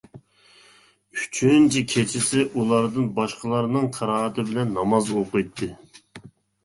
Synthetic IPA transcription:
y̥t͡ʃʰynt͡ʃʰɪkʲʰet͡ʃʰɪsɪʔulˠɑɾd̪ɨnbɑʃqəlˠɑɾnɨŋqʰɑɾɑːɑt̪ɨbɪlɛnːɑmɑzoqɨjt̪ʰːɨ

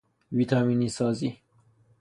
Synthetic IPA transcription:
viːt̪ʰɒmiːnisɒːzi

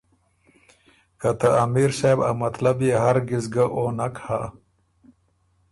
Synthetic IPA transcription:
kat̪aːmiːɾsajbamɐt̪labiɦaɾɡizɡaʔoːnakha

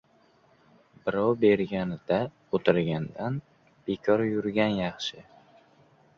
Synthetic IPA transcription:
bɪɾɒwbe̞ɾɡʲanɪd̪̥a | ot̪ʰɪɾɡʲand̪an | b̥ekʲʰɒɾjʊɾɡʲanjɑχʃɪ

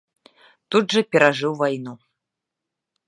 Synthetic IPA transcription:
t̪udʐɐpʲɛɾaʐɨwvajnu

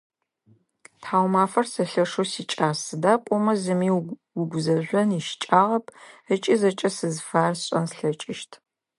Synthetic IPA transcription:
tʰaːwmaːfɐrsɐɬɐʂosiːt͡ʃʼaːsɨdaːqʷʼɔmɐzɨmiːwʊɡʷzɐʒʷɔniʃt͡ʃʼaːʁɐp̚ʰət͡ʃʼizɐt͡ʃʼɐsɨzfaːrɕʼɐnsɬɐt͡ʃʼɪʃtʰ

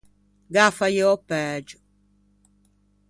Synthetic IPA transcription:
ɡafajeɔpɛːd͡ʒu

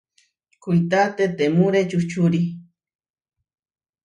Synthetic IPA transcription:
kujt̪at̪et̪emuɾet͡ʃut͡ʃuɾi

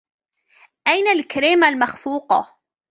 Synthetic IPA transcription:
ʔajnalkaɾiːmalmaxfuːqɑ̰

